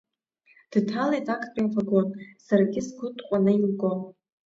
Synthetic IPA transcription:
d̥tʰalajtʰʼakʼʰpʼinfaɡonsarɡʲɪsɡʷʰʊtʼqʷʼanɨilɡom

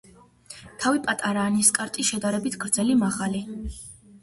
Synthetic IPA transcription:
t̪ʰavipʼat̪ʼaɾaːniskʼaɾt̪ʼiʃɛd̪aɾɛbit̪ʰɡ̥ɾd̪zɛlimaʁali

